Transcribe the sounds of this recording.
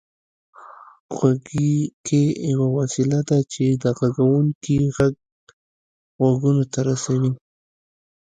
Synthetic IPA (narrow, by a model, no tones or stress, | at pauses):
ɣaɡikejawawasɪlad̪at͡ʃed̪əɣaɡawuŋkiɣaɡ | ɣaɡunot̪aɾasawi